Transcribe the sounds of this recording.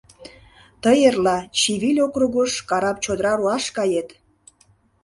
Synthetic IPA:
t̪əjerlɑt͡ɕiβilʲokruɣəʃkɑɾɑp̚t͡ɕod̪əɾɑɾuɑʃkɑjet̪

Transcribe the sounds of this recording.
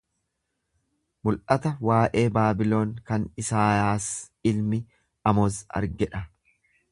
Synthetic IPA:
mʊlʔɐt̪ɐwaːʔe̞ːbaːbɪlo̞ːŋkɐnɪsaːjaːs | ɪlmɪ | ɐmozɐ̰ɾɡɛᶑɐ

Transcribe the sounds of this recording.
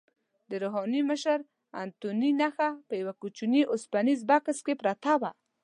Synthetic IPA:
d̪əɾoɦɑniməʃaɾ | a̰nt̪uninaxapəjawakut͡ʃuniʔʊspanizbakskepɾat̪awa

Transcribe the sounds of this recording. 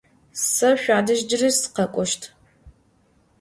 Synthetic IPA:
sɐɕʷaːdɐʒd͡ʒɪrisɨ̥qɐkʷʼɔʃtʰ

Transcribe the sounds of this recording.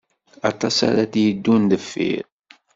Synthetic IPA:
ɑt̪ˤɑsa̰ɾaθjəd̪ːund̪əfːḭɾ

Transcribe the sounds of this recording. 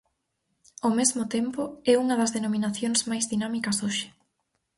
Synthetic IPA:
omezmʊt̪empʊɛuŋɐðɐzðenominaθjoŋsmajzðinamikɐsoʃɪ̥

